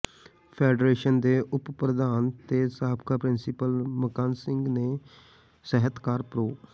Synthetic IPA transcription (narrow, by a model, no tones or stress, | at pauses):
pʰeːɖɾeːʃənd̪eːʔʊppɾəd̪aːnt̪eːsaːbkʰaːpɾɪnsɪpəlməkaːnsɪŋɡneː | sɛɦət̪kaːɾpɾoː